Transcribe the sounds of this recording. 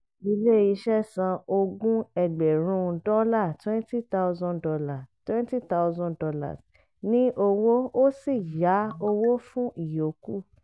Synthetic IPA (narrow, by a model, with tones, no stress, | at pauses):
i˧le˦ji˧ʃɛ˦sã˧o˧ɡũ˦ɛ˧ɡ͡bɛ˨ɾ̃ũ˦dɔ˦la˦˨twɛ̃˦nti˦ta˦ʊ˧zɔ̃˦ndɔ˧la˨twɛ̃˦nti˦ta˦ʊ˦zɔ̃˦dɔ˧la̰˦˨s | nĩ˦ʔo˧wo˦o˦si˦˨ja˨˦o˧wo˦fũ˦i˦˨jo˨˦ku˦˨